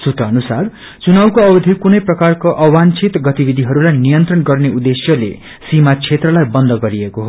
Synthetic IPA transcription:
sut̪ʌʌnusar | t͡sunawkoʌbʌd̪ʱikunʌjprʌkarkoʔʌwant͡sʰit̪ɡʌt̪ibid̪ʱiɦʌɾulajnijʌnt̪rʌnɡʌrneud̪esjʌlḛ | simat͡sʰet̪rʌlajbʌnd̪ʱʌɡʌɾiekoɦo

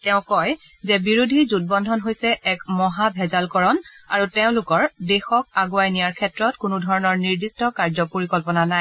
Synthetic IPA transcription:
tɛʊ̃kɔj | zɛbiɹudʱizut̚bɔndʱɔnɦojsɛʔɛkmɔɦabʱɛzalkɔɹɔna̰ɹutɛʊ̃lʊkɔɹdɛxɔk̚aɡuajnijaɹkʰɛtɹɔtkʊnudʱɔɹɔnɔɹniɹdistɔkaɹzɔpoɹikɔlpɔnanaj

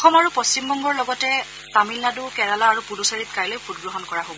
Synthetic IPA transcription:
ɔxɔmaɹupost͡ʃimbɔŋɡɔɹlɔɡɔtɛ | tamilnadukɛɹalaːɹupunusaɹit̚kajlojpʰut̚ɡɹɔɦɔnkɔɹaɦobɔ

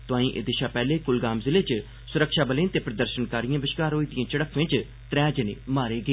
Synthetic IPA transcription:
t̪ʊãːĩːʔḛd̪ɪʃaːpɛːleːkʊlɡaːmzɪleːt͡ʃ | sʊɾəkʃaːbəlẽːnt̪eːpɾəd̪əɾʃənkaːɾijãːbɪʃkaːɾoːiːd̪ijãːt͡ʃəɽəkʰʋɪ̃t͡ʃ | t̪ɾɛ̃ːd͡ʒənḛːmaːɾeːɡeː

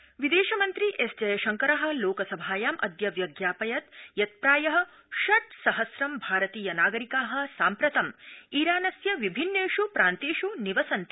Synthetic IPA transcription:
ʋid̪eːʃɐmɐnt̪ɾiʔesd͡ʒɐjɐʃɐŋkɐɾɐɦɐ̆loːkɐsɐbʱaːjaːmʔɐd̪jɐʋjɐɡjaːpɐjɐt̪jɐt̪̚pɾaːjɐɦɐ̆ | ʃɐʈ̪̚sɐɦɐsɾɐmbʱaːɾɐt̪iːjɐnaːɡɐɾikaːɦɐ̆saːmpɾɐt̪ɐmiːɾaːnɐsjɐʋibʱinːeːʃupɾaːnt̪eːʃuniʋɐsɐnt̪i

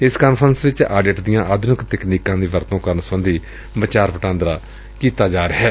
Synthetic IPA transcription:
ɪskəːnpʰəɾənsʋɪt͡ʃaːɖeːʈd̪ɪjãːʔaːd̪ʱʊnɪkt̪ɛkniːkãːd̪iːʋəɾt̪õːkəɾnsə̃ːnd̪iː | bət͡ʃaːɾpəʈãːnd̪ɾaː | kiːt̪aːd͡ʒaːɾəɦɛː

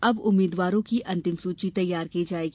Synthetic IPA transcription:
ɐbʊmːiːd̪ʋaːɾõkiʔɐ̃nt̪ɪmsuːt͡ʃit̪ɐjːaːɾkiːd͡ʒaːeːɡ

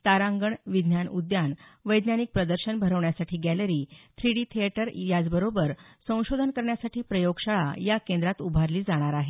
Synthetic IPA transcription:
t̪aɾãŋɡəɳʋid̪ʱnjanud̪janʋəjd̪njanik̚pɾəd̪əɾɕənbʱəɾəʋɳjasaʈʰiːɡæləɾiːt̪ʰɾiɽiːt̪ʰiaʈəɾjad͡zbəɾobəɾsə̃w̃ɕod̪ʱənkəɾɳjasaʈiːpɾəjoɡɕaɭa̰jakẽnd̪ɾat̪ubʱaɾliːd͡zaɽ̃aɾaɦe

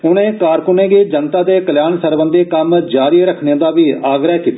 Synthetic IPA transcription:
ʊnẽːkaːɾkʊneːɡeːd͡ʒənt̪aːd̪eːkəljaːnsəɾbə̃nd̪eːkəmd͡ʒaːɾieːɾəkʰnẽːd̪aːʋiːaːɡɾəːɦkiːt̪ːa

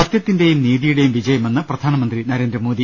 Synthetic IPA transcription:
ɐt̪jɐt̪ːinde̞jumniːðijuɽe̞jumʋid͡ʑɐjɐmenːɨprɐd̪ʱaːnɐmɐnd̪rinɐɾe̞ːnd̪rɐmoːd̪i

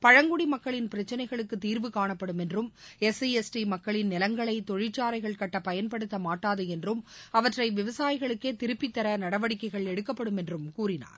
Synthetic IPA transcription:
pɐɻɐŋɡʊɽimɐkːɐɭɪnpɪɾɐt͡ʃːɐnɐɪɣɐɭɯkːɯt̪ːiːɾʋɯkaːɳɐpːɐɽɯmɛndrɯmɛsiɛsʈimɐkːɐɭɪnnɪlɐŋɡɐɭɐɪt̪ɔɻɪt͡ʃːaːɾɐɪɣɐɭkɐʈːɐpɐjɐnpɐɽɯt̪ːɐmaːʈːaːðɯɛndrɯmɐʋɐʈrɐɪʋɪʋɐsaːjɪɣɐɭɯkːeːt̪ɪɾɯpːit̪ːɐɾɐnɐɽɐʋɐɽɪkːɐɪɣɐɭɛɽɯkːɐpːɐɽɯmɛndrɯmkuːɾɪna̰ːɾ

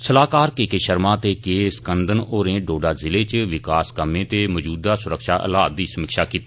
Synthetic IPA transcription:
səlaːkaːɾkeːkeːʃəɾmãːt̪eːkeːsə̥kənd̪ʱənoːɾẽːɖoːɖaːzɪleːt͡ʃʋɪkaːskəmẽːt̪eːməd͡ʒuːd̪aːsʊɾəkʃaːʔə̰la̰ːt̪̚d̪iːsəməkʃaːkiːt̪i̥

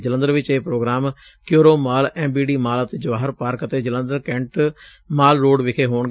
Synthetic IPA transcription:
d͡ʒələnd̪əɾʋɪt͡ʃeːpɾoːɡɾaːm | kjoːɾoːmaːlɛ̃ːmbiːɖiːmaːlət̪eːd͡ʒəʋaːɦəɾpaːɾkət̪eːd͡ʒələ̃nd̪əɾkɛ̃ɳʈ | maːlɾoːɖʋɪkʰeːɦoːɳɡ

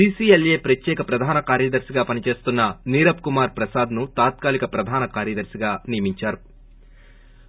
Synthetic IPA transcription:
iːsiːelje̞ːpɾɐt̪jɛːkɐpɾɐd̪ʱaːnɐkaːɾjɐd̪ɐɾsiɡaːpɐnit͡ʃe̞ːst̪unːɐniːɾɐpkumaːɾpɾɐsaːd̪nut̪aːt̪kaːlikɐpɾɐd̪ʱaːnɐkaːɾjɐd̪ɐɾsiɡaːnijɐmiɲt͡ʃaːɾu

